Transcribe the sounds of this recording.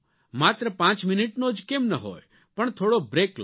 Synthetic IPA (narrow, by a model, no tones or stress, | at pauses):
mat̪ɾəpãt͡ʃmɪniʈnod͡ʒkemnəɦo̰j | pəɳt̪ʰoːɽobɾekl